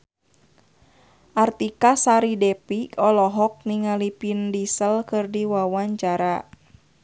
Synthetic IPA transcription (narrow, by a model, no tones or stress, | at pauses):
ʔart̪ikasaɾidɛpikɔlɔɦɔk̚niŋalipindisəlkɨrdiwawaɲt͡ʃaɾa